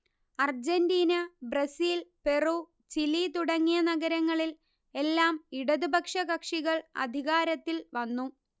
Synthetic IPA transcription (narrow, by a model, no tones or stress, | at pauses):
ɐrd͡ʑendiːnɐbrɐsiːlpe̞ruː | t͡ɕilit̪uɽɐŋːijɐnɐɣɐɾɐŋːɐɭil | e̞lːaːmiɽɐðubɐkʂɐɣɐkʂiɣɐɭɐ̰d̪ʱiɣaːɾɐt̪ːilʋɐnːu